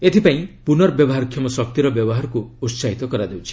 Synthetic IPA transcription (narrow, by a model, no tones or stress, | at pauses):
et̪ʰipaĩpunɔɾbjɔbɔɦaɾkʰːjɔmɔsɔk̚t̪iɾɔbjɔbɔɦaɾɔkuusaɦit̪ɔkɔɾad̪ewt͡ʃʰi̥